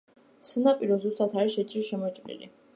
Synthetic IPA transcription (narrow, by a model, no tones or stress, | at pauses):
sanapʼiɾɔzust̪ʼat̪ʰaɾiʃɛt͡ʃʼiɾʃɛmɔt͡ʃʼmnḭlḭ